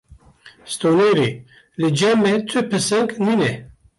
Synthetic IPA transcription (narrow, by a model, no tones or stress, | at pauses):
st̪oːneːɾi | lɨd͡ʒɛmet̪ʰɨpʰɨsɛŋkniːnɛ